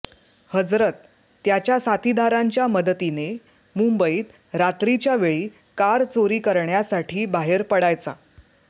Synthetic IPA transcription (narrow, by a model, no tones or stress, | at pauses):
həd͡zɾət̪̚ː | jat͡ɕjasat̪id̪ʱaɾaɲt͡ɕjaməd̪ət̪ine | mumbəiːt̪ | ɾat̪ɾit͡ɕjaʋeɭiː | kaɾt͡soɾiːkəɾɳjasaʈʰiːbaɦeɾpəɽajt͡sa̰